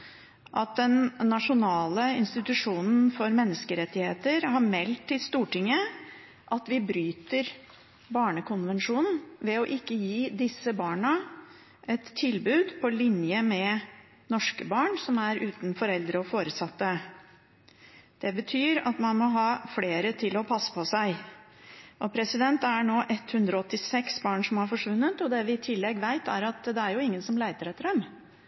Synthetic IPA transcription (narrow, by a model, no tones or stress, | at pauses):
ʔɑt̪̚d̪ɛnːɑʂʊnɑːləɪnst̪ɪt̪ʉʂuːnn̩fɔɾmɛnːəskəɾɛt̪ːɪheːt̪əɾhɑɾmɛlt̪ːɪlst̪uːʈɪŋːə | ʔɑt̪ʋɪbɾyːt̪əɾ | bɑːɳəkʊnʋɛnʂuːnn̩ʋɛɔʔɪkːəjiːd̪ɪsːəbɑːɳə | ʔɛt̪ʰːɪlbʉːd̪pʰɔlɪnjəmɛ | nɔʂkəbɑːɳsɔmæɾʉːt̪nfɔɾɛld̪ɾəɔfoːɾəsɑt̪ːə | d̪̥ɛbət̪ʰyːɾɑ̰t̪mɑnmɔɦɑːfleːɾət̪ʰɪlɔpʰɑsːə̥pʰɔsæɪ | ʔɔpʰɾɛsɪd̪ɛnt̪æɳoːʔɛt̪hʉnd̪ɾɔɔt̪ːɪsɛksbɑːɳʂɔmhɑɾfɔʂʋʉnːət̪ɔd̪ɛʋɪt̪ʰɪlːɛɡʋæɪt̪æɾɑt̪d̪ɛæɾjʊɪŋːənsɔmlæɪt̪əɾɛt̪ːɾɛm